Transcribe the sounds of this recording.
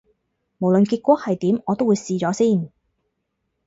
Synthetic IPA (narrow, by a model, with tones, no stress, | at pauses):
mo˨˩wlə˨nkiː˧t̚kʷɔː˥k̚hɐ˨jt̪iː˨˥mɔː˨˧t̪o˥wu˨˧jsiː˧t͡sɔː˨˧˥siː˥˩n